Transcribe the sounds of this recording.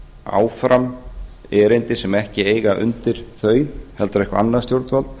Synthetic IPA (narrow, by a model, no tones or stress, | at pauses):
a̰ːwfɾam | ɛːɾejnt̪ɪsɛmɛhcɪeːjɣaʔʏ̰nt̪ɪɾ̥θœːɥhɛlt̪aɾɛhkvaa̰nːast̪jowɾt̪val